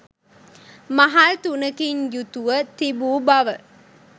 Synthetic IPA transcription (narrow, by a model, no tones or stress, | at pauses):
mɐɦalt̪unəkiɲjut̪uʋət̪ibuːbɐʋə